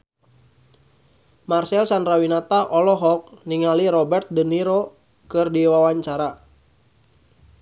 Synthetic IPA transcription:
marsɛlsandɾawinat̪aʔɔlɔɦɔk̚niŋaliɾɔbɛrt̪̚dəniɾo | kɨrdiwawaɲt͡ʃaɾa

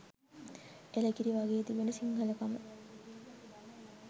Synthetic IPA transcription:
eləkiɾiʋaɡeːt̪ibenəsiŋɡaləkamə

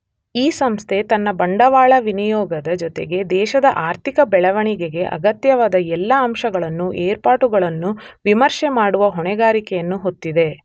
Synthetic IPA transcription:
iːsɐmst̪ʰe̞t̪ɐnːɐbɐɳɖɐʋaːɭɐʋinijɔːɡɐd̪ɐd͡ʒɔt̪eɡe̞d̪ɛːʃɐd̪ɐʔaːɾt̪ʰikɐbɛɭɐʋɐɳiɡeɡe̞ʔɐ̰ɡɐt̪jɐʋaːd̪ɐɛlːɐɐmʃɐɡɐɭɐnːuʔeːɾpaːʈuɡɐɭɐnːuʋimɐɾʃemaːɽuʋɐɦɔɳɛɡaːɾikɛjɐnːuɦo̞t̪ːid̪e̞

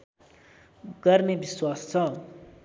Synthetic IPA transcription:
ɡ̥ʌrnebiswast͡sʰʌ

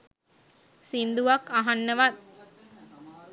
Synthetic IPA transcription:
sind̪uʋakaɦanːəʋat̪

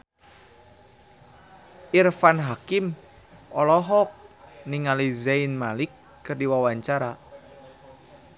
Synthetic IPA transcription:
ʔirfanɦakim | ɔlɔɦɔk̚niŋalizainmalikː | ɨrdiwawaɲt͡ʃaɾa

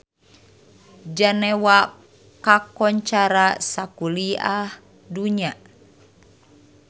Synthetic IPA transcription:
d͡ʒanɛwa | kakɔɲt͡ʃaɾasakuliah | duɲa

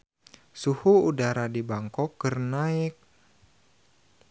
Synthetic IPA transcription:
suhuudaɾadibaŋkɔkːərnaɪk̚

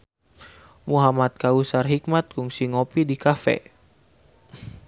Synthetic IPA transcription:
muɦamat̪̚kausarɦik̚mat̪̚kuŋsiŋopidikafɛ̰

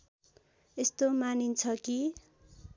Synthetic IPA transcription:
est̪omanint͡sʰʌki

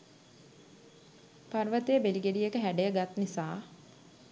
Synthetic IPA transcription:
parʋət̪eəbeliɡeɖijekəɦæɖejəɡat̪nisaː

